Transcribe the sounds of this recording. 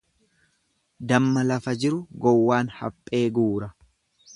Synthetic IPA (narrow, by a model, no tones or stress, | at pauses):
d̪ɐmːɐlɐfɐd͡ʒɪɾʊɡɔwːaːnhɐ̰pʼːe̞ːɡuːɾɐ